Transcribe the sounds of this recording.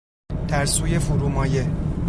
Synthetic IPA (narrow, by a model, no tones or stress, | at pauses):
d̪̥æɾsuːje̞fuɾuːmɒːje